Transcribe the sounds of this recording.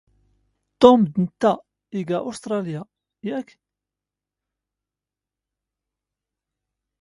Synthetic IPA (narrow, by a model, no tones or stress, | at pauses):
t̪ːomd̪nt̪ːæ | iɡæʔust̪ɾˤɑlja | jækː